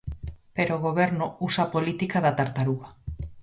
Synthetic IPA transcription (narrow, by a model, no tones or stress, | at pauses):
peɾoɣ̞oβeɾnousapolit̪ikaðat̪aɾt̪aɾuɣa